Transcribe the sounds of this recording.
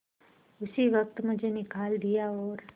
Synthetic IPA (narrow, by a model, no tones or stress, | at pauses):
ʊsiʋɐk̚t̪mʊd͡ʒʱenɪkaːld̪ijaɔːɾ